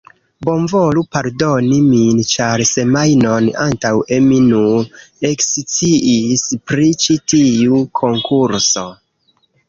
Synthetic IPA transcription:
bo̞nvo̞lupaɾdo̞nimint͡ʃaɾse̞majno̞nantaweminueksit͡siʔispɾit͡ʃitiukʰo̞ŋkʰuɾso̞

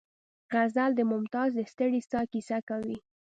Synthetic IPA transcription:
ɣazald̪əmʊmt̪ɑzd̪əst̪əɽistɑkisakawi

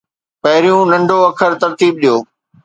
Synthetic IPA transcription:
pɐɦɪɾijũnɐ̃ɳɖʱoɐkʰəɾt̪ɐɾt̪iːb̚ɗijoː

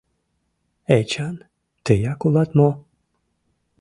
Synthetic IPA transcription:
et͡ʃan | t̪ɨjakulat̪mɔ

